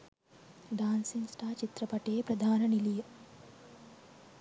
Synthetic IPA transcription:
ɖaːnsinsʈaːt͡ʃit̪ɾɐpɐʈeːpɾɐd̪ʱaːnɐnilij

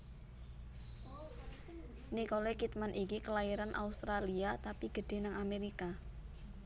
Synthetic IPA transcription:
nikolekit̪manʔikikəlaiɾanʔa̰ust̪ɾaliat̪apiɡ̥ə̤ɖ̥e̤naŋameɾika

